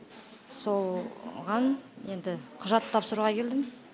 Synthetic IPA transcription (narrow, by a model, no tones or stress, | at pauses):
so̞lˠʁɑnje̞nd̪ɪqʰʊʒɑt̪ʰːɑpsəɾuʁɑkʲʰe̞ld̪ɪm